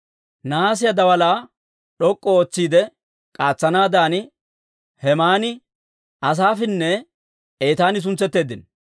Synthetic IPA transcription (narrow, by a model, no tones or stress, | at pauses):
naːs̬ɪjɐd̪ɐwɐlaː | ɗɔkʼːɔoːt͡sːiːd̪ɛ | kʼaːt͡sːɐnaːd̪aːnɪ | hɛmaːnɪ | ɐs̬aːfɪnːɛ | e̞ːt̪aːnɪs̬ʊnt͡sːɛt̪ːe̞ːd̪ɪn